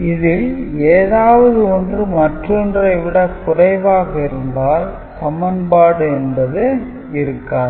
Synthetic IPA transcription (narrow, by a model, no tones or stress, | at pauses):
ɪðɪleːðaːʋɐðɯɔndrɯmɐʈrɔndrɐɪʋɪɽɐkʊrɐɪʋaːɣɐɪɾɯnd̪aːl | sɐmɐnbaːɽɯɛnbɐðɯ | ɪɾɯkːaːn